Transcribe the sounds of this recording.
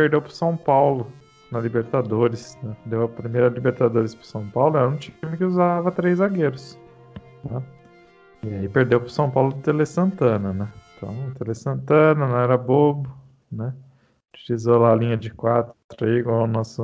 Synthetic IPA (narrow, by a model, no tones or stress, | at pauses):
peɾd̪ewpɾʊ̥sɐ̃w̃pawlʊ | nɐlibeɾt̪ad̪oɾɪsnɛd̪ewɐpɾimejɾɐlibeɾt̪ad̪oɾɪspɾʊ̥sɐ̃w̃pawlʊɛɾɐũt͡ʃiĩmɪkɪuzavɐt̪ɾejzaɡeɾʊs | na | ɪaipeɾd̪ewpɾʊsɐ̃w̃pawlʊt̪elesɐ̃nt̪ɐ̃nɐnɛt̪ɐ̰̃t̪elesɐ̃nt̪ɐ̃nɐnɐ̃w̃ɛɾɐbobʊ | nɛ | ut͡ʃilizolaːlĩɲɐd͡ʒɪkwat̪ɾʊt̪ɾiɡanɔsʊ